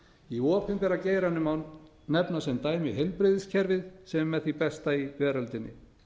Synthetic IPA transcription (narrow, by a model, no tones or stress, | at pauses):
iɔːpʰɪmpɛɾaceːjɾanʏman | nɛpnasɛmt̪aːjmɪɦɛlpɾɪðɪscʰɛɾvɪðsɛmːɛðθipɛst̪aivɛːɾalt̪ɪnːɪ̰